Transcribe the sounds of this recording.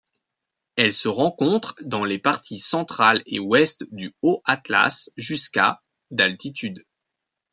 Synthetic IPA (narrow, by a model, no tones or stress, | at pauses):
ɛlsəʁɑ̃kɔ̃t̪χd̪ɑ̃lepaʁt̪ʰisɑ̃t̪χalewɛst̪d̪yoʔat̪la̰sʒyska̰ | d̪alt̪it̪yd̪